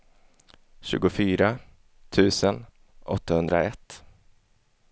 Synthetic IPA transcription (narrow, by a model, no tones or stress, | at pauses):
ɕʉ̟ːɡʊfyːɾa | t̪ʰʉ̟ːsən | ʔɔt̪ʰːahɵnd̪ɾaɛt̪ː